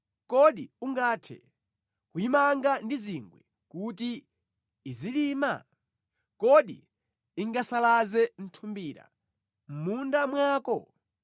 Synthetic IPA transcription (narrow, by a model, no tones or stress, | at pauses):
kɔɗiuŋɡaːtʰɛ̰ | kuimaŋɡandiziŋɡwɛ | kutiː | ziliːma̰ | kɔɗḭ | iŋɡasalazɛn̩tʰumbiːɾa̰ | m̩mundamwaːkɔ̰